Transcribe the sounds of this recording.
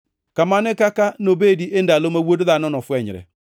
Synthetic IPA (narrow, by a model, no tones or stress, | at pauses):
kamanɪkakanobediʔendalomawodðanɔnɔfwɛɲɾɛ̰